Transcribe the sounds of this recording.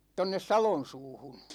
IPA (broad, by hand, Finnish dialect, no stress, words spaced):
tonːes sɑlon̞suːhun̞